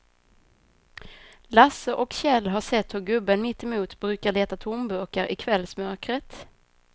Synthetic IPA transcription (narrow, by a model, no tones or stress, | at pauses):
lasəʔɔkɕɛlːɦaʂɛt̪ːhɵɾɡɵbːənmɪt̪ːɛmuːt̪bɾʉ̟ːkaɭeːt̪at̪ʰʊmbɵkaɾʔɪkʰvɛlːsmœɾkɾət̪